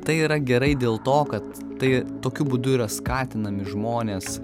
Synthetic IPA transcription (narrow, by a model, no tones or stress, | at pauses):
t̪ɐɪiːɾɐɡʲɛɾɐɪd̪ʲeːlˠt̪oːkɐt̪ːɐɪt̪oːkʲʊbʊd̪ʊiːɾɐskɑːt̪ʲɪnɐmʲɪʒmoːnʲeːs